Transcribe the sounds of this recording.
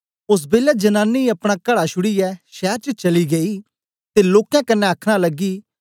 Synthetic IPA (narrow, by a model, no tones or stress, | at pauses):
ʊs̬beːlɛd͡ʒɐnãːnːiɐpɽ̃akɐɽaʃʊɽijɛːʃɛːɾt͡ʃət͡ʃɐliɡɐiː | t̪eloːkɛ̃kɐnːẽəkʰɽ̃alɐɡːiː